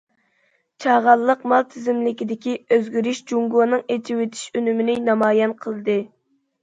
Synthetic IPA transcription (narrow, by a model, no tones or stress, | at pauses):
t͡ʃʰɑʁɑlˠːəqmɑlˠt̪ʰɪzɪmlɪkʲid̪ɪkʲiøzɡʲyɾyʃd͡ʒuŋɡonɨŋet͡ʃʰiwet̪ʰi̥ʃønymɪnɪnɑmɑːjɛnqʰəlˠɨd̪ɨ